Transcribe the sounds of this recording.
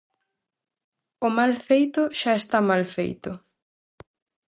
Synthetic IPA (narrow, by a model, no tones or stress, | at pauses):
ʊmalfejt̪ʊʃaest̪amalfḛjt̪ʊ